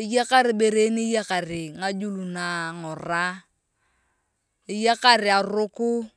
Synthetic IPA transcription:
ɪ˦ja˦ka˦ɾɪ˨ɓe˨ɾe˦nɪ˦ja˦ka˨rɪ˨ŋa˦d͡ʒu˦lu˨na˨ŋɔ˨ra˦ | ɪ˦ja˦ka˦ɾɪ˨a˨rʊ˦kʊ˦

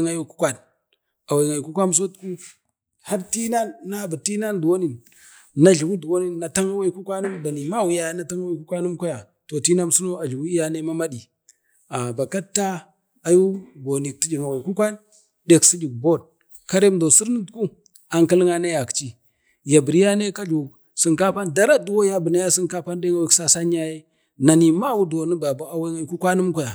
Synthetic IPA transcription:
ŋa˦ju˦ku̥˦kʷa˦n | a˨wi˨ŋa˨jku˦kʷa˦m˦s̬o˦tku˦ | ha˦ɾti˦na˦nːa˦˨ba˨ti˦na˦ndu˨wo˦ni˨n | na˦ɮi˨wu˦du˨wo˦ni˨nːa˨ta˦ŋa˦wa˦ku˦kʷa˦nu˦mda˨ni˨ma˦˨wi˨ja˦˨˦na˨ta˦ŋa˦wa˦ku˦kʷa˦nu˦mkʷa˦ja˨ | to˨ti˦na˦m˦su˦no˦a˨ɮwu˦i˦ja˦ne˦ma˦ma˦ɗi˨ | a˨ba˨ka˦tːa˦ | a˨ju˦ɡo˨ni˨k̚ti˦d͡ʒi˨ŋa˨we˨ku˦kʷa˦n | ɗe˨ksi˦d͡ʒi˨ɡ̚bo˦d̚ | ka˦ɾe˦mdo˨si˦ɾnə˦tku˦ | a˨ŋki˦lŋa˦na˦ja˨kt͡ʃi˦ | ja˨bi˨ɾi˦ja˦ne˦ka˦d͡ʒu˨ | si˨ŋka˦pa˦nda˦ɾa˦du˦wo˦ja˦bə˨na˦ja˦si˦ŋka˦pa˦nde˦ŋa˦wi˦ksa˦sa˦ɲ˦a˦je˦ | na˨ni˨ma˦wu˦do˨nə˦ba˨ba˨˦a˦we˦ŋa˨˦ku˦kʷa˦nu˦mkʷa˦˨ja˨

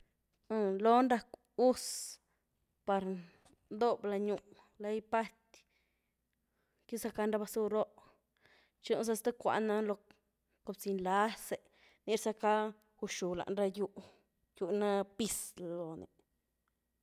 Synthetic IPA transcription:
a˧lo˦nɾa˧k | u˦s | pa˧ɾ | nd̪o˦bla˧ɲu˧ʔ | la˧jpa˦t̪ʲ | ki˦sa˧ka˧nɾa˦ba˧su˧ɾo˦ʔ | t͡ʃu˦˧˦ns̬a˧st̪a˦kʷa̰˨˧ʔna˧lo˧ | ko˧bt͡si˧nla˧˦se˨ | ni˦ɾsa˧ka˦ | u˧ʃu˨la̰˨ʔnɾa˧ju˧ʔ | ju˧na˦pi˧slo˨nḛ˨

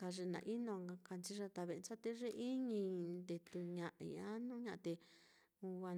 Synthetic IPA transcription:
ka˧ʐe˧nã̰˨ʔi˦nõ˧a˧ka˧nt͡ʃi˦ʐa˧t̪a˧βe˧nt͡ʃa˦t̪e˦ʐe˦ʔi˦ɲĩ˧nd̪e˧t̪u˧ɲã˧ʔḭ˧ã˦nũ˦ɲã˧ʔt̪e˧ | u˧a˧

